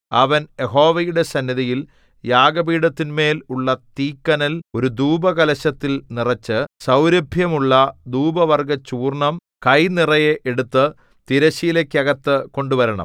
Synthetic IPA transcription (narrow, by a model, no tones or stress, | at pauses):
ɐ̰ʋɐnje̞ɦo̞ːʋɐjuɽe̞sɐnːjiðɐjil | jaːɡɐbiːɽɐt̪ːinme̞ːluɭːɐt̪iːkːɐnɐlo̞ɾud̪uːbɐɣɐlɐɕɐt̪ːilnirɐt͡ɕːɨsɐwɾɐbʱjɐmuɭːɐd̪uːbɐʋɐrɡɐt͡ɕuːrɳɐm | kɐjnirɐjeʔeɽut̪ːɨ | t̪iɾɐɕiːlekʲːɐɣɐt̪ːɨko̞ɳɖuʋɐɾɐɳɐ̰m